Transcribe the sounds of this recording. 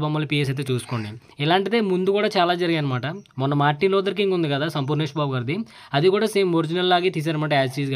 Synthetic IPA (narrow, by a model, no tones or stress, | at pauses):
bɐmːɐlipiːes̬ɐjt̪̬eːt͡ʃuːsu̥koːɳɖi | ɛlaːɳʈid̪e̞ːmund̪ukuːɽaːt͡ʃaːlaːd͡ʒɐɾiɡaːnɐmaːʈɐmɔnːɐmaːʈːiloːd̪ɐɾkiŋɡund̪ikɐd̪aːsɐmpuːɾnɳeːʂbaːbuɡaːɾid̪i | ɐd̪ikuːɽaːseːmoɾd͡ʒinɐlːaːɡit̪iːs̬aːɾɐmaːʈ̬ɐaːssiːsɡ